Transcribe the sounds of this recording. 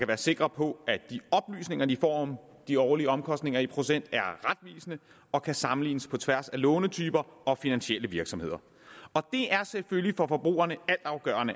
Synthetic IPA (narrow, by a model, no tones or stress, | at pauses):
kʰæʋæːɐse̝ɡ̥ʁɐpʰɒ̽æd̥iɒ̽b̥ly̰ːsne̝ŋɐd̥ifɒ̰ːm | d̥iɒʊliəɒ̽mkʰɒ̽sd̥ne̝ŋɐipʰʁo̝sen̰d̥æɐʁad̥̚ʋḭːsənə | ɒ̽kʰæsɑ̈mn̩lḭːnəspʰɒ̽t͡sʰʋæɐsælɔ̽ːnət͡sʰyːb̥ɐɒ̽finænɕeləʋiɐɡ̥sɒ̽mhe̝ð̰ˠɐ | ɒ̽d̥e̝ʔæɐseføljifɒ̽fɒ̽b̥ʁṵːɐnəæl̰d̥ɑ̈ʊɡ̥ɶ̰ːɐnə